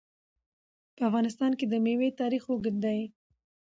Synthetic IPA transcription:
pəafɣɑnɪs̬t̪ɑnked̪əmewet̪ɑɾixoɡɪnd̪aj

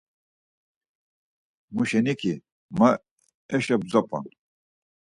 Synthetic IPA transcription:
muʃɛnikʰi | ma | ɛʃɐb̚d͡zɐpa̰n

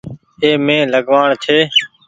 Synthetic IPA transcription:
eːmẽːləɠʋaːɳt͡ʃʰeː

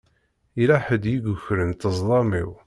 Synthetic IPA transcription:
ilaħəd̪jiɡʊçɾənt̪əzˤlˤɑmiw

